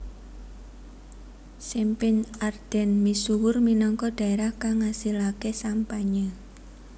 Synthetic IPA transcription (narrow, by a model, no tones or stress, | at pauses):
simpɪnard̪̥ɛ̤nmisuwʊrminɔŋkɔd̪̥a̤eɾahkaŋasilakesampaɲə